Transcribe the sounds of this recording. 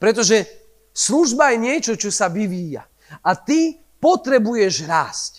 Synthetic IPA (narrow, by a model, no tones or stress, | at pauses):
pɾɛt̪ɔʒɛ | sluʒbajɛɲɪɛt͡ʃɔt͡ʃɔsaʋiʋiːja̰ | at̪i | pɔt̪ɾɛbujɛʒɾaːsc